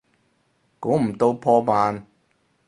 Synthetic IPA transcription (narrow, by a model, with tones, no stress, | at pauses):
kuː˨˥m̩˨˩t̪o˧wpʰɔː˧paː˧n